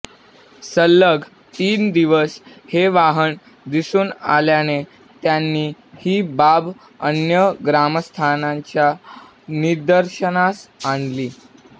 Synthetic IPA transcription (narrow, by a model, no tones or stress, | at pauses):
səlːəɡ | t̪iːnd̪iʋəsheʋaɦəɳ | d̪isuːna̰ljane | t̪janːiː | hiːbab | ənjəɡɾaməst̪ʰanãɲt͡ɕja | niɾd̪əɾɕənasaɳliː